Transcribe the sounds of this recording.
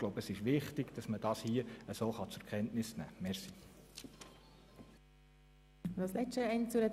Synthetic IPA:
ɡlowbəsɪʃʋɪχtɪɡd̥ɑsməd̥ɑːshiəəsoːχɑt͡sʊɾkʰɛntnɪsnæ̰ːmɛɾsi | dɑslɛʃtəɛɪnt͡sʊɾəd

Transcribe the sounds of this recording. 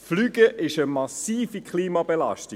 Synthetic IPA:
flyːɡ̥əʔɪʃəmɑsiːfikχliːmɑbelɑ̰ʃti

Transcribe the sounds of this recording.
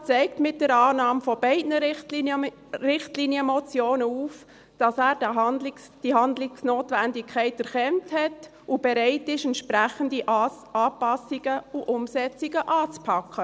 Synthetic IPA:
t͡sɛɪk̚tmɪt̚d̥əɾɑːnɑːmfɔb̥ɛɪdnətə | rɪχtlinjəmɔt͡sjoːnəuːf | d̥ɑsæːɾd | d̥iɦɑndlɪksnoːtʋændɪkʰɛɪtæɾχɛnthɛt | ub̥ɛɾɛɪtɪʃɛntʃpɾæχəndi | ɑːpɑsiɡəuʔʊmsɛt͡siɡ̥əʔɑːt͡spʰɑkχə

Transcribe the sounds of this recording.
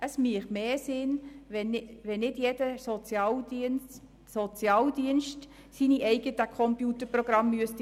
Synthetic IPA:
ʔəsmiəχmeːsɪnʋɛnɪʋɛnnɪdjedəsot͡sjɑːldins | sot͡sjɑːld̪iənʃt | siniʔɛɪɡ̥ətəkʰɔmpjuːtəɾproɡ̥ɾɑmːyəst̪

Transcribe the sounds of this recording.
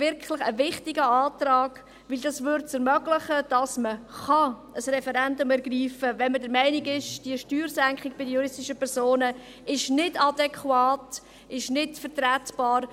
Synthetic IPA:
vɪɾkʰχlɪχəvɪχtɪɡəɑːtrɑːɡ̥ | ʋɪld̥ɑsʋʏɾtt͡səɾmœɡ̥lɪχəd̥ɑsməχɑəsrɛfɛɾɛndʊmɛɾɡriːfəvɛnmədəɾmɛɪnɪɡɪʃd̥iəʃtyːɾsæŋkχɪkbɪdəjuɾɪstɪʃəpʰɛɾsoːnə | ɪʃnɪdɑdɛkʰwɑːt | ɪʃnɪtfəɾtrætb̥ɑːɾ

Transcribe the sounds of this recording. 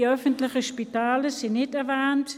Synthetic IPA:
œfəntlɪçəʃpitaːləsɪnɪtɛɐvaːnt

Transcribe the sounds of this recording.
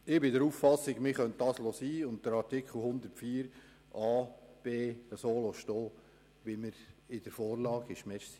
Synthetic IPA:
ɪbɪdəɾuːffɑsːɪɡmɪχœnt̚d̥ɑːslosiːʊnt̚d̥əɾɑɾtɪkχl̩hʊnd̪əɾtfiːəɾ | ʔɑːb̥eːəsoːloʃtoː | ʋɪməɾɪd̥əɾfɔːɾlɑːɡɪʃmɛɾssi̥

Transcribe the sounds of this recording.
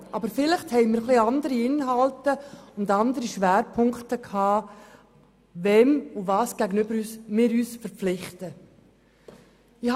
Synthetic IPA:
ʔɑbəɾfɪləχthɛɪmɪːɾχliɑndəɾiɪnɦɑltəʊndɑndəɾiʃʋæːɾpʰʊŋktəkʰɑː | vɛmuvɑːsɡ̥æɡənʏbəɾyːsmɪːɾyːsfəɾp͡flɪχtə | ɪh

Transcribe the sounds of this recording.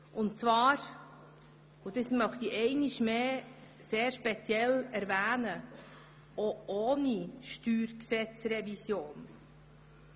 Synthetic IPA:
ʊnt͡svɑːɾ | ud̥̪esmœχt̪iʔɛɪniʃmeː | seːɾʃpet͡sjɛlæɾvæːnə | ooːniʃtyːɾksɛt͡srɛvisjoːn

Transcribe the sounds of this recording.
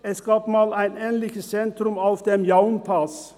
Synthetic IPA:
ɛsɡ̥ɑːpmɑːlæɪnɛːnlɪçəst͡sɛnt̪ɾʊmaʊfd̪̥emjaʊnpʰɑs

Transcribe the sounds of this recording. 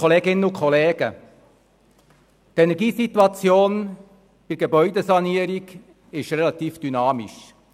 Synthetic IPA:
ɔleːɡɪnːəʊkʰχɔleːɡə̰ | t̪ɛnɛɾɡiːsit̪uɑt͡sjoːn | b̥ɪɾɡ̥ebœʏd̪ɛsɑniəɾiɡ | ɪʃɾɛlɑt̪iːfd̥ynɑːmḭʃ

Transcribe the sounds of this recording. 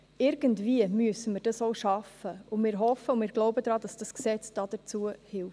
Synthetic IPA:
ɪɾɡ̥əntviəmyəsəmɪɾd̥ɑsoʊʃɑfəʊmɪːɾɦɔfəʊmɪːɾɡ̥loʊbədɾɑːd̥ɑsd̥ɑsksɛt͡sd̥ɑd̥ət͡suəhɪlf

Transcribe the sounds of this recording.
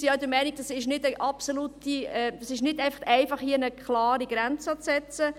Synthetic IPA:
siaʊd̪əmɛɪniɡ̚d̥ɑsɪʃnɪdəʔɑpsolutiɛd̥ɑsɪʃnɪdæɪfɑχtæɪfɑχhiəənəkχlɑːɾiɡ̥ɾɛnt͡sɑt͡sɛt͡sə

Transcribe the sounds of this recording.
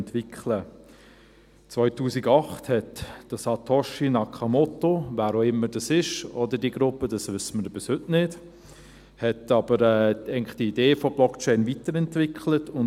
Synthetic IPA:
ntʋɪkχlə | t͡sʋœʏtuːsiɡɑχthɛtd̥ɑsɑtʰɔʃinɑkʰχɑmɔtovæːɾoɪmːədɑsɪʃɔdədiəɡɾʊpːəd̥ɑsʋʏsːəməɾbɪshɵtnɪd | hɛtɑbəɾɛːæɪɡŋnlɪχd̥iideːfob̥lɔkt͡ʃɛɪnvitəɾɛntvɪkχlətʊn

